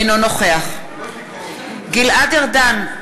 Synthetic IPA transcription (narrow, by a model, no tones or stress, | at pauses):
nonoχeaχ | ɡilaɡaʁd̪an